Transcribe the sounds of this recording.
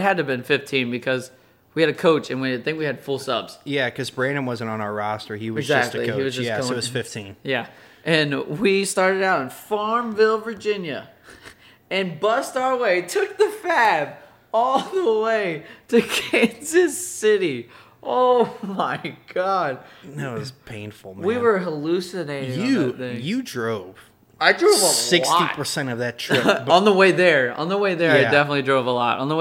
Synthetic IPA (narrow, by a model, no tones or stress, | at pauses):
t̚ɦɨd̚tɨbɨ̃nfɪftʰĩnbɨkʰʌz | wiɨɾɨkʰoʊt͡ʃɨ̃nwĩd̪̚θɪ̃ŋkwiɨd̥fʊlˠsʌ̰bz̥jækʰʌzbɹẽɪ̃ñɨ̃mwʌzɨ̃n̩tn̩ə˞ɑstə˞iwʌɪɡzzæk̚tˡliiwʌzd͡ʒʌæʌwʌz̥fɪftʰĩnjæ | ʔɨ̃nwistɑɹɾɨɾaʊɾ̃n̩fɑɹɱvɪlˠvə˞d͡ʒɪ̃njɨ | ɨ̃nbʌstaʊə˞weɪtʰʊk̚ðɨfæb | ɔlˠðəweɪɾɨkʰæ̃nzɨz̥sɪɾi | ʔoʊmaɪɡ̥ɑd̥̚noʊɪzpʰẽɪ̃nfl̩ˠwiwə˞ɦəlʉsɨneɪɾɪ̃ɨɪ̃ŋjɨdɹoʊv̥ | aɪdɹoʊvəsɪksɔ̰itpʰə˞sɛ̃ɾ̃ʌvðɨtʰɹɪbə̃nðəweɪðə˞ə̰̃nðəweɪðə˞aɪdɛfənətˡlidɹoʊvəlɔ̰ɾn̩ðəw